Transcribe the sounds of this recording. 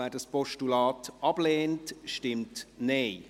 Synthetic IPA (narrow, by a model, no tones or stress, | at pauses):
æːdɑspɔʃtulɑːtʔɑb̥leːntʃtɪmtneː